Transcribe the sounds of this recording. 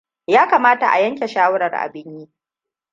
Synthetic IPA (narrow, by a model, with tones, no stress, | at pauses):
jaː˦kaː˨maː˦ta̰˨ʔa̰˨jɐ˦ŋkʲe˨ʃaː˦wʊ˦ɾɐ˨rʔa̰˨bɪ˦ɲjiː˦